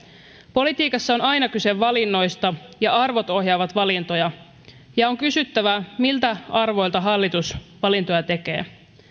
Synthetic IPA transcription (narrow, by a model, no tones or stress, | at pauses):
po̞lit̪iːkɑsːɑonɑjnɑkyse̞ʋːɑlinːo̞jst̪ɑjɑɑrʋo̞t̪o̞hjɑːʋɑt̪ʋɑlint̪o̞jɑ | jɑo̞ŋkysyt̪ːæʋæmilt̪æɑrʋo̞jlt̪ɑɦɑlːit̪usʋɑlint̪o̞jɑt̪e̞k̟e̞̰ː